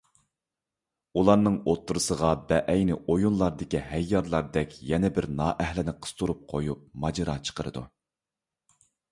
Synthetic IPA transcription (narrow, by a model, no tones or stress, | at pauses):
ulˠɑɾnɨŋot̪ːuɾɨsəʁɑbɛʔɛjnɪʔojunlˠɑɾd̪ɪkʲihɛjːɑɾlˠɑɾd̪ɛkʲjɛnɛbɪɾnɑːʔɛhlɪnɪqʰə̥st̪ʰuɾup̚qʰojup̚mɑd͡ʒɑɾɑːt͡ʃʰə̥qʰəɾɨ̰d̪ṵ